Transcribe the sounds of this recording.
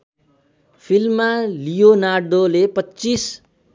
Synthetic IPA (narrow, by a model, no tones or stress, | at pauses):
pʰilmːalijonaɖolepʌt͡sːis